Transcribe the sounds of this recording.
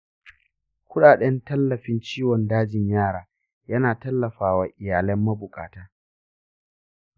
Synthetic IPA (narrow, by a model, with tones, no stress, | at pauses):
kʷʊ˦ɗaː˨ɗɛ˦ntɐ˦lːɐ˨ɸɪ˦nt͡ʃiː˦wɔ˨ndaː˦d͡ʒɪ˨ɲjaː˦ɽaː˨ | jɐ˦naː˨tɐ˦lːɐ˨ɸaː˦waː˨ʔɪ˨jaː˨lɛ˦mːɐ˦bʊ˨kʼa̰ː˨taː˦